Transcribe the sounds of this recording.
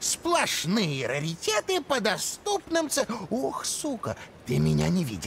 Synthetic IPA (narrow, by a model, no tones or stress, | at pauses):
splˠɐʂnɨjəɾəɾʲɪtʲet̪ɨpəd̪ɐst̪upnɨmt̪sɨoxsukət̪ɨmʲɪnʲa̰nʲɪvʲḭdʲɪ